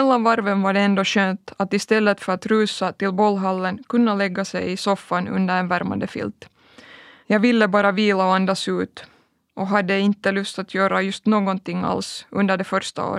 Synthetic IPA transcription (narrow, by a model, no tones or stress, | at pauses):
mɛlːanvaɾvənvaɖɛɛnd̪oːɕøːnt̪at̪ɪst̪ɛlːət̪fœɾat̪ɾʉːsat̪ɪlbɔlːɦalːənkɵnːəlɛɡːasɛjɪsɔfːanɵ̰nd̪əɾɛnvæɾma̰nd̪əfɪ̰lt̪ | jɑːɡvɪlːəbɑːɾaviːlaɔand̪asʉ̟ːt̪ | ʔɔɦad̪ːəɪnt̪ːəlɵst̪at̪ʰjøːɾajɵst̪noːɡɔnt̪ɪŋːa̰lsʔɵnd̪əɖɛfœɾʂt̪a̰o̰ːɾ